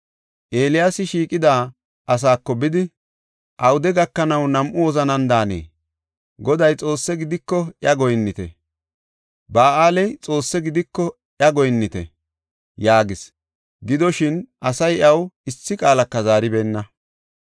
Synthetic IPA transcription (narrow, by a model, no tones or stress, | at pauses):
ʔe̞ːlɪjaːsɪʃiːkʼɪd̪aː | ʔɐs̬aːkːɔbɪd̪ɪ | ʔɐwʊd̪ɛɡɐkːɐnɐwnɐmʔʊwɔzɐnɐnd̪aːnḛː | ɡɔd̪ɐjt͡sʼo̞ːsːɛɡɪd̪ɪkːɔʔjɐɡɔjnːɪt̪ɛ̰ | baːʔaːlɛjt͡sʼo̞ːsːɛɡɪd̪ɪkːɔ | ʔjɐɡɔjnːɪt̪ɛ̰ | jaːɡɪs | ɡɪd̪ɔʃɪnʔɐsɐjɐwɪsːɪkʼaːlɐkːɐzaːɾɪbe̞ːnːɐ